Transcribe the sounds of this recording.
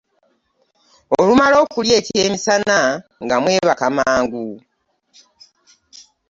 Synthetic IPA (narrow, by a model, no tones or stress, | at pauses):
olumalo̞ːkulje̞ːce̞ːmisanaŋɡamwe̞ːβakamaːŋɡu